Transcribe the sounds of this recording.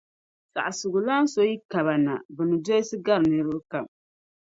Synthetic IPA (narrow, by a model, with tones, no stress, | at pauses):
sa̰˨ʔsʊ˨ɡʊ˨la˦n˦so˦ji˦ka˨βa˨na̰˨bɨ˨nɨ˨do˦ji˦sɨ˦ɡa˦ɾnɨ˨ɾɨ˦ɾɨ˦ka˨m